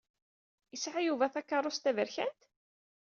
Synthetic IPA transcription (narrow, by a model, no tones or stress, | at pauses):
əsʕajuvæθækːɑrˤːʊst̪ævəɾçænt̪